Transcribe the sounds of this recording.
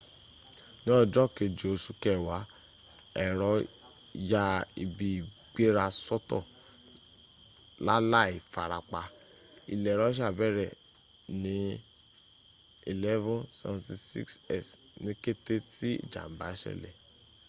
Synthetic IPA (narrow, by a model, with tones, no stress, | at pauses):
nĩ˦ɔ˦˨d͡ʒɔ˦˨ke˧d͡ʒo˨su˧kɛ˦˨wa˨˦ | ɛ˨ɾɔ˨˦ | ja˦i˨bi˧˨ | ɡ͡be˦ɾa˧sɔ˦tɔ̰˦˨ | la˦la˦i˨fa˨ɾa˨k͡pa˧ | ḭ˨lɛ˨ɾɔ˨˦ʃ̬a˦˨bɛ˦ɾɛ˦˨ | nĩ˨˦ | ḭ˨lɛ˦vɔ̃˦nsɛ˨vɔ̃˦nti˧sḭ˦ksɛ˦˨s | nĩ˦ke˦te˦ti˦ḭ˦˨d͡ʒa̰˨m̩˨ba˨˦ʃɛ̰˦˨lɛ̰˨